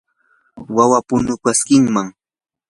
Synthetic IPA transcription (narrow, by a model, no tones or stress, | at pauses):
wawapʊnʊkaskɪŋmaŋ